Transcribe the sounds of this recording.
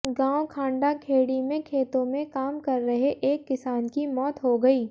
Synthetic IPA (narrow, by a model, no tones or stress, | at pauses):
ɡãːwokʰãːɳɖakʰeːɽimẽkʰeːt̪õmẽkaːmkɐɾːɐɦeʔeːkːɪsaːnkimɔːt̪ɦoɡɐiː